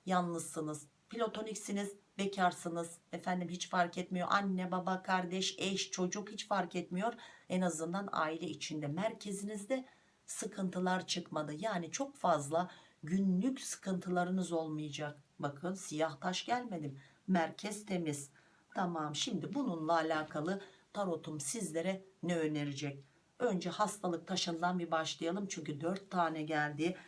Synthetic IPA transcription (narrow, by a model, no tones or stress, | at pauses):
janlˠɯsɯnɯz̥ | pilʲo̞t̪ʰo̞nicsinizbecʰaɾsɯnɯz̥efænd̪imɦit͡ʃfaɾkɛt̪mijo̞̰ʔanːɛbabakʰaɾd̪ɛʃɛʃt͡ʃʰo̞d͡ʒukhit͡ʃfaɾkɛt̪mijo̞ɾɛnazɯnd̪ana̰ːilʲɛit͡ʃʰind̪ɛmæɾcʰe̞zinizd̪ɛ | sɯkʰɯnt̪ʰɯlˠaɾt͡ʃʰɯkmad̪ɯjaːnit͡ʃʰo̞kfazlˠa | ɟynlʲycsɯ̥kʰɯnt̪ʰɯlˠaɾɯnɯzo̞lˠmɯjad͡ʒak̚bakʰɯnsijaht̪ʰaʃɟælʲme̞d̪imː | æɾcʰɛzt̪ʰe̞miz̥ | t̪ʰamamʃimd̪ibununlˠaːlʲaːkʰalˠɯt̪ʰaɾo̞t̪ʰumsizlʲe̞ɾɛnɛøne̞ɾid͡ʒɛc̚ | ø̞nd͡ʒɛhast̪ʰalˠɯk̚t̪ʰaʃɯnd̪anbibaʃlˠajalˠɯmt͡ʃʰyɲcyd̪øɾt̪ʰːaːnɛɟælʲd̪iː